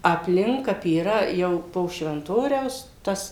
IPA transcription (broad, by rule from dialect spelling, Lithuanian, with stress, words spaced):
ɐpʲˈlʲɪŋk ˈkɐp iːˈrɐ ˈjɛʊ poː ʃʲʋʲɛnˈtoːrʲɛʊs ˈtɐs